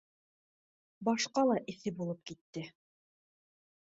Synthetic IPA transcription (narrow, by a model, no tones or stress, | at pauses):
bɑʃqɑlˠɑʔɘ̆θɘbulˠɤp̚kit̪ːɘ